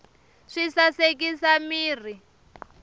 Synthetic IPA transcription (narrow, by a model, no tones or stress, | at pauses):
ʂisasek̬isamiːri